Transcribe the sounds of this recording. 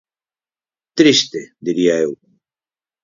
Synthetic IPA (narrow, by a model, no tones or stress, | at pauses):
t̪ɾist̪ed̪iɾiaew